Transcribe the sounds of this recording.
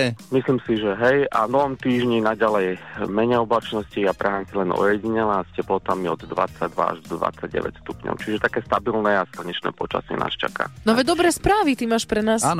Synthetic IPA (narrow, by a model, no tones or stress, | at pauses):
ɛmisliːmsiʒɛɦɛjavnɔɦɔmt̪iːʒɲinaɟalɛjmɛɲɛɔblat͡ʃnɔsciapɾʔɛɦant͡silɛnʔɔ̰jɛɟiɲɛlascɛplɔt̪amiɔd̪d̪ʋa̰t͡sːaɟ̚d̪ʋa̰a̰ʒɔd̪ʋa̰t͡sːaɟɟɛ̰ʋɛ̰cstt̪upɲɔ̰ʊt͡ʃiʒɛt̪akɛːst̪abilnɛːaslaɲɛt͡ʃnɛ̰ːpɔt͡ʃa̰sḭna̰ːst͡ʃa̰ka̰ːnɔaʋɛd̪ɔbɾɛːspɾaːʋit̪imaːʃpɾɛnaːsan